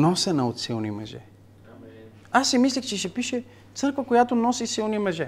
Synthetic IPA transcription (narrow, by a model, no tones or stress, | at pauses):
nɔsɛnɐot̪silˠnimɛʒɛ̰ | asːimislʲixt͡ʃɛʃɛpiʃɛ | t̪sɤɾkvəkojat̪onɔsisilˠnimɛʒɛ